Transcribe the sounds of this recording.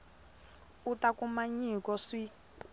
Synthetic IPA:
utakumaɲikɔsi

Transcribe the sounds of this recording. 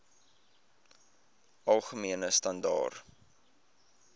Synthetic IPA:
ʔɐlˠχəmiənəstɐndɑ̰ːr

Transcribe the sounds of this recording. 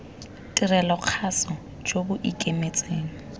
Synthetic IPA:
tʼirɛlɔq͡χʰasɔ | d͡ʒobʊʔikʼemet͡sʼeːŋ̩

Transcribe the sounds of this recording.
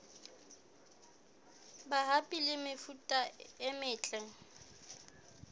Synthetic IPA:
baɦapʼilɪmɪfutʼaɪmɪːt͡ɬʼɛŋ̩

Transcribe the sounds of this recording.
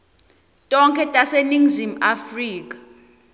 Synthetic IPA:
tʼɔŋkʰʼɛtʼaseniŋzimafriːkʼḁ

